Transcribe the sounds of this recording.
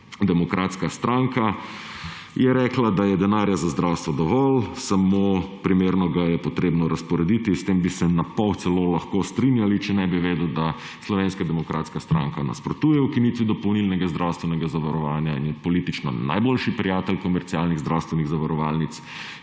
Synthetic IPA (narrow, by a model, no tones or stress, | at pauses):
d̪ɛmɔkɾaːt̪skast̪ɾaŋka | jɛɾɛːklad̪ajɛd̪ɛnaːɾjazazd̪ɾawst̪ʋɔd̪ɔʋɔlsamopɾimeɾnɔɡajɛpɔt̪ɾeːbnɔɾaspɔɾɛd̪it̪ist̪embisɛnapɔwt̪sɛlolaxkost̪ɾinjalit͡ʃɛnɛbiʋeːd̪əʊd̪a | slɔʋeːnskad̪ɛmɔkɾʔaːt̪skast̪ɾa̰ŋkana̰spɾɔt̪uːjɛwkinit̪ʋid̪ɔpownilnɛɡazd̪ɾawst̪ʋɛnɛɡazaʋaɾɔʋaːnjainjɛpɔlit̪it͡ʃnɔ̰na̰jboːlʃipɾijaːt̪ɛlkɔmɛɾt̪siaːlniɣzd̪ɾawst̪ʋɛniɣzaʋaɾɔʋaːlnit̪s